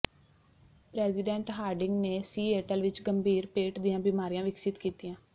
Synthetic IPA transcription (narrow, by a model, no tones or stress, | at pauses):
pɾɛːzɪɖɛ̃ːɳʈɦaːɾɖɪŋɡneːsiːeːʈəlʋɪt͡ʃɡəmbʱiːɾpeːʈd̪ijãːbiːmaːɾijãːʋɪksɪt̪kiːt̪iːãː